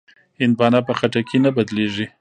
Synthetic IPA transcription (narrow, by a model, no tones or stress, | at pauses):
ɪnbɑnɑpəxaʈakenabad̪leʐi